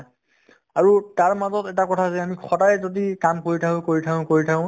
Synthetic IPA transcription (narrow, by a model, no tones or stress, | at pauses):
aɹutaɹmazɔtɛtakɔtʰazɛamixʰɔdajɛzodikamkoɹitʰakʊ̃koɹitʰakʊ̃koɹitʰakʊ̃